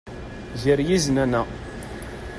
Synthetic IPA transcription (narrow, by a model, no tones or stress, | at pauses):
ziɾjiznænæ